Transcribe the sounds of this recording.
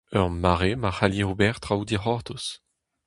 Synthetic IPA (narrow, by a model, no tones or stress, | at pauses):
œʁmaʁemahaljeʁubɛʁt̪ʁawd̪iχɔʁt̪us